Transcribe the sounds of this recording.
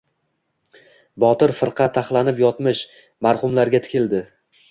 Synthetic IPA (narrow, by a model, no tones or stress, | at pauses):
bɒt̪ɪɾfɨɾqʰɑt̪ʰːaχlˠanɪpjɒt̪mɪʃ | maɾχʊmlaɾɡʲat̪ʰɪ̥kʲʰɪld̪ɪ